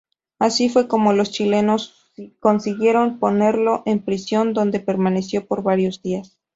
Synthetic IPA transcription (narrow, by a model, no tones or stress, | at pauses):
asifwe̞ko̞mo̞lo̞st͡ʃile̞no̞s | ko̞nsiɣje̞ɾo̞mpo̞ne̞ɾlo̞ʔe̞mpɾisjo̞nd̪o̞nd̪e̞pe̞ɾmane̞sjo̞po̞ɾβaɾjo̞zðias